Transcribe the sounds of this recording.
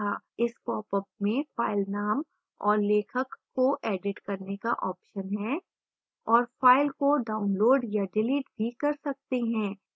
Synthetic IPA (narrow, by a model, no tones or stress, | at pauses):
aɪspɔːpəp̚mẽfaːɪlnaːm | ɔːɾleːkʰəkːoʔɛːɖɪʈkɐɾnekaʔɔːpʃənɦɛː | ɔːɾfaːɪlkoɖaːʊnloːɖjaɖɪliːʈbʱikɐɾsɐk̚t̪eɦɛ̃ː